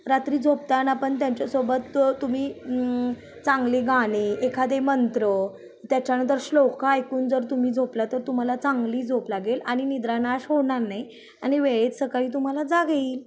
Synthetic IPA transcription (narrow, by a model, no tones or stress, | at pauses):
ɾat̪ɾiːd͡zʱop̚t̪anapəɳt̪jaɲt͡ɕjasobət̪ːum̤iː | t͡saŋɡleɡaɽ̃eekʰad̪emənt̪ɾə | t̪jat͡ɕjanə̃nt̪əɾɕlokaːjkuːnd͡zəɾt̪um̤iːd͡zʱoplat̪əɾt̪um̤alat͡saŋɡliːd͡zʱoplaɡelaɽ̃inid̪ɾanaɕɦoɳaɾnaɦi | aɽ̃iʋeɭet͡ssəkaɭiːt̪̬um̤alad͡zaɡeiːl